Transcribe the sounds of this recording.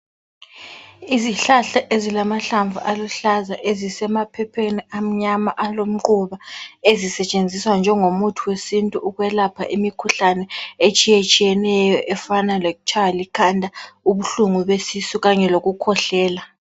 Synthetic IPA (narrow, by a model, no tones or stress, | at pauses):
iziɬaɬaʔezilamaɬaɱvʱuʔaluɬazaʔezisɛmapʰɛpʰeniam̩ɲamaʔalom̩ǃuβaezisɛt͡ʃʼend͡zʱiswand͡ʒʱɛŋomutʰuwesintʼuːɣwɛlapʰa̰ʔimikʰuɬanɛet͡ʃʼijet͡ʃʼijɛnɛjɔʔɛfanaleɣut͡ʃʰawalikʰandʱauβuɬuŋuβesisuɣaɲɛloɣukʰɔɬɛːla